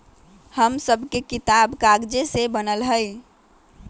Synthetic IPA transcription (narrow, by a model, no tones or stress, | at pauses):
həmsəbʱkekit̪abkaɡd͡ʒesebənəlɦəɪ